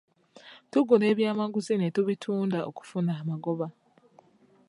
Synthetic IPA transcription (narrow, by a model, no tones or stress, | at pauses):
tuɡule̞ːβjaːmaɡuzinetuβitʰuːndao̰ku̥funaːmaɡo̞βa